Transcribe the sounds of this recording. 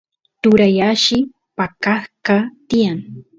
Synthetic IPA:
t̪ʊɾajaʃɪ | pakaθkat̪ɪjaŋ

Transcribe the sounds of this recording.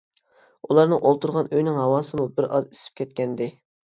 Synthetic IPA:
ulˠɑɾnɨŋʔolˠt̪uɾʁɑnøjnɪŋɦɑwɑːsɨmubɪɾʔɑ̰zi̥sɪ̥p̚kʲʰɛt̪̚kʲɛnd̪ɪ

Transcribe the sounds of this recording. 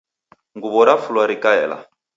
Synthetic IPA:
ŋɡuβɔɾafulwaɾikaɛ̰ːla̰

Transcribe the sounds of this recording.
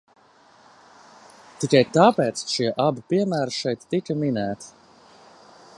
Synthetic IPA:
t̪ikajt̪aːpɛːt̪sʃiɛʔabɨpʲiɛmæːɾʃɛjt̪ːikaminæːt̪

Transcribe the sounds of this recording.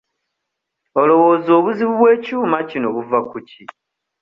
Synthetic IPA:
o̞lo̞woːzo̞ːβuziβuβwe̞ːcuːmacinoβuvakuci

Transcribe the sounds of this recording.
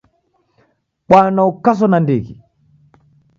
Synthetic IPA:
ɓwanaukas̬ɔnandiɣi

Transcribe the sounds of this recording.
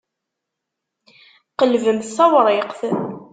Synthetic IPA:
qəlvəmθsæwɾˤɪqθ

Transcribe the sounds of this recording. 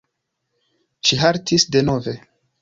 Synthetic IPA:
ʃiɦaɾtʰisde̞no̞ve̞

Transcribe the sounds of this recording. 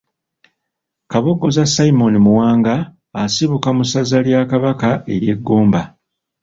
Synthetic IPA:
kaβo̞ɡːo̞zasaimo̞nimuwaːŋɡaː | siβukamusazaljakaβakae̞̰ɾje̞ɡːoːmba

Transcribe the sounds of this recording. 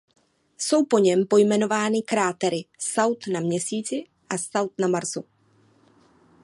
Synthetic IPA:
so̞wpo̞ɲɛmpo̞jmɛno̞vaːnɪkɾaːt̪ɛɾɪsawt̪namɲɛsiːt͡sɪ | ʔasawt̪namaɾzu

